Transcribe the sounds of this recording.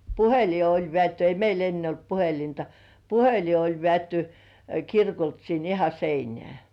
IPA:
puheli olʲ ʋĕæˑtːy ei meil enːe olt puhelintɑ puheli olʲ ʋĕæˑtːy kirkolt sin ihɑ seinĕæˑ

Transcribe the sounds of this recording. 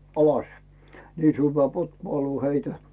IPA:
ɑlɑs niː syˑʋːæː pothŭoˑluː heitæ

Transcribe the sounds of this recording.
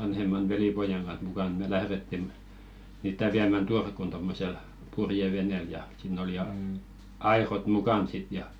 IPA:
ʋɑnhemːɑn ʋelipojɑŋ ɡ̊ɑnh mukɑn me læhɾetːi mniːtˑæ ʋiæmæn d̥urkun tomːosel purjeʋeneˑl jɑ siˑnˑ oli jɑ ɑirot mukɑn sit jɑ

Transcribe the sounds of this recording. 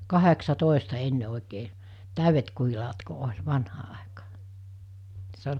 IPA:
kɑheksɑtoˑestɑ enːe oˑikeː tæˑyʋet kuhilɑːt ko olʲ ʋɑnhɑː ɑˑekɑː se olʲ

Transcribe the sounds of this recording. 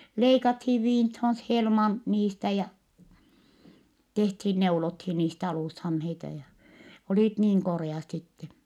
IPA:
leikɑthiːʋ ʋiːnthon s helmɑn niːstæ jɑ tehthin neulothin niːst ɑluˑshɑmheitɑ jɑ oliˑt niːŋ koreˑɑt sitːen̞

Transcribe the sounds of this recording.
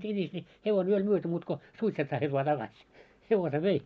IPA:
sinʲis nʲi heʋon jo olʲ myøty muːt ko suitset sɑːtʲiː ʋɑː tɑɡ̊ɑsʲ heʋose ʋei

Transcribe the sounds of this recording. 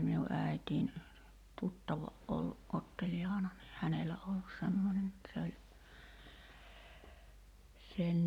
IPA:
minu ʔæˑitʲiːn tutːɑʋɑ ʔolːuʔ ʔotːeljɑːnɑ ni hænelæ olːus semːonʲen et se olʲ sen

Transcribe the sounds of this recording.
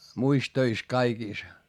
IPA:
muis tøis kɑikiˑs

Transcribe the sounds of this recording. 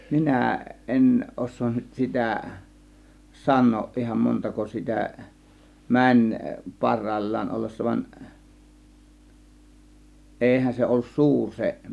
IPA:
minæˑ ʔen ʔosˑoːn nyt sitæˑ sɑnˑoːʔ ʔihɑn montɑko sitæ mænʲ pɑrˑɑˑĭlʲːɑːn olːesːɑ ʋɑn ʔeihæn se olːus suːr se

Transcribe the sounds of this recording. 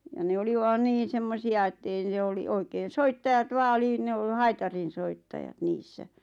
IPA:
jɑ ne oli ʋɑn niːn̞ semːosiɑ etːei n̆ĕ oli oikeːn̞ soitːɑjɑt ʋɑː ŏli ne o hɑitɑrinsoitːɑjɑt niːsːæ

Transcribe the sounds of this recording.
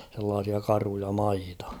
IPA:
selːɑːsiɑ kɑrujɑ mɑitɑ

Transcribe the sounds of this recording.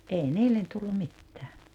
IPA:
ʔei niːlːen tulːum̆ mitːæː

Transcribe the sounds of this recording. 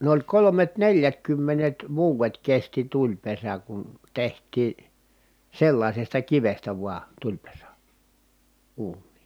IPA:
n olʲ kolomet neljætkymːenet ʋuːʋet kesti tulʲpesæ kun tehtˑiː selːɑisestɑ kiʋestæ ʋuɑ tulʲpesæ uːnˑiː

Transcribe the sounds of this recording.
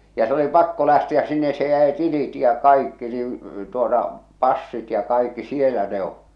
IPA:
jɑ se oli pɑkːo læhtiæs sinːes se jæi tilit jɑ kɑikːi niːĩ tuotɑ pɑsːit jɑ kɑikːi sielæ ne oʔ

